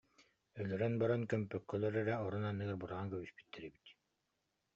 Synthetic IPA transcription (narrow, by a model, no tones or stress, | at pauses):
œlœɾœnbaɾɔnkœmpœkːœlœɾɛɾɛɔɾunanːɯɡaɾbuɾaʁaŋkœβyspy̥t̪ːɛɾɛbi̥t̪